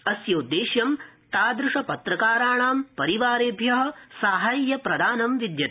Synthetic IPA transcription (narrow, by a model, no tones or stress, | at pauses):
ɐsjoːd̪ːeːʃjɐmt̪aːd̪ɾʊʂɐpɐt̪ɾɐkaːɾaːɳaːmpɐɾiʋaːɾeːbʱjɐɦɐ̆saːɦaːjjɐpɾɐd̪aːnɐmʋid̪jɐt̪